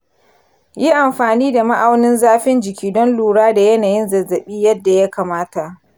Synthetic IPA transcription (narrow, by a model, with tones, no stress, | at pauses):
ji˦ʔa˨mɸaː˨niː˦da˨ma˦ʔa˨wnɪ˦nzaː˦ɸɪ˦nd͡ʒɪ˨kʲiː˦dɔ˦nluː˨ɽaː˦da˨jɐ˦naː˨jɪ˦nzɐ˨zːɐ˨ɓiː˦jɐ˦dːa˨ja˦kaː˨maː˦ta˨ʔ